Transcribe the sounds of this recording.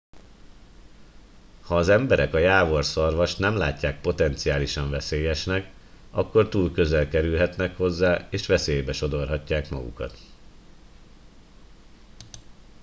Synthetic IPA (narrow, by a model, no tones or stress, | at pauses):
hɒːzɛmbɛɾɛkɒjaːvo̞rsɒrvɒʃt̪nɛmla̰ːcːaːk̚po̞t̪ɛnt̪sijaːliʃɒɱvɛseːjɛʃnɛk | ɒkːo̞rt̪uːlkø̞zɛlkɛɾylɦɛt̪nɛkho̞zːaːeːʃʋɛseːjbɛʃo̞d̪o̞rɦɒcːaːkmɒ̰ɡṵkɒ̰t̪